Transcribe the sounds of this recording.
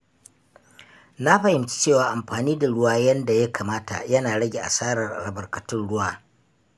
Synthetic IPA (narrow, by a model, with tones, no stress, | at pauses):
na˦ɸɐ˨hɪ˨mt͡ʃi̥˦t͡ʃeː˦˨waː˨ʔa˨mɸaː˨niː˦da˨ɽʊ˦waː˦jɐ˦nda˨jɐ˦kʰaː˨maː˦ta̰˨jɐ˦naː˨ɽɐ˦ɡʲe˨ʔa̰˨saː˦ɽɐ˨rʔa̰˨ɽɐ˨bɐ˨rkɐ˨tʊ˦nɽʊ˦waː˦